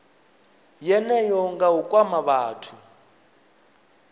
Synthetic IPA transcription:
jɛnɛjɔŋɡaukʼwamaβaːtʰu

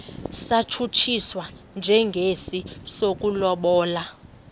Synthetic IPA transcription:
sat͡ʃʰut͡ʃʰiswa | nd͡ʒʱɛŋɡʱesisok̬ʼulɔɓɔːla

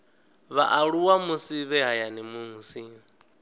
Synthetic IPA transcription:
βa̰ʔaɺuwamusiβɛɦajanimuŋusi

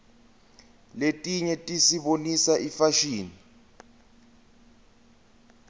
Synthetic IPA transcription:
letʼiɲɛtʼisiɓonisaʔifaʃiːni

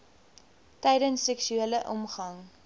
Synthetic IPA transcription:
tɛjdənsːɛksyeləʔɔ̰mχɐŋ

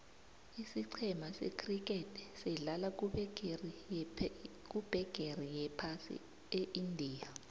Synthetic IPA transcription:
isiǀʰɛmasɛ̰kʰrik̬ʼɛtʰʼɛ̥sɛɮala | k̬ʼub̥ʱɛɡ̥ʱerijɛpʰasḭ | eʔindʱiːja

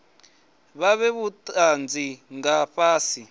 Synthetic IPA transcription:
βaβɛβutʼand͡ziŋɡaɸaːsi

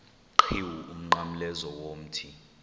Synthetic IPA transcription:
ǃʰiwuum̩ŋ͡ǃam̩lɛzɔwom̩tʰi

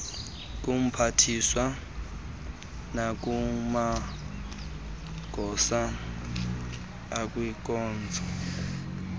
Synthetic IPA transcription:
k̬ʼum̩pʰatʰiswa | nak̬ʼuma | ɡ̥ʱɔsa | kʼwik̬ʼɔːnd͡zʱɔ

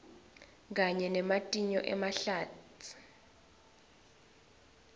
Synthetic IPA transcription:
k̬aɲɛnɛmatʼiɲɔ̰ʔɛ̰maɬaːtʰi̥

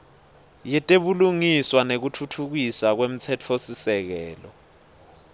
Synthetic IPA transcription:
jɛtʼeɓuluŋiswanek̬utʰutʰuk̬isak̬wem̩t͡sʰɛtʰosisɛk̬ɛːlɔ̰

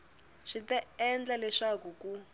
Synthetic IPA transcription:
ʂitɛɛnd͡ɮalɛʂakuku

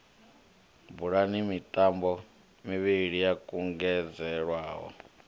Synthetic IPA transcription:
buɺanimitʼambɔ | miβiɺijakʼuŋɡɛd͡zɛɺwaːɦɔ̰

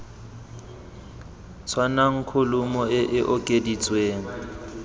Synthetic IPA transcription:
t͡sʰwanaŋ̩kʰʊlʊmɔɪʔɪʔɔkʼedit͡sʼweːŋ̩

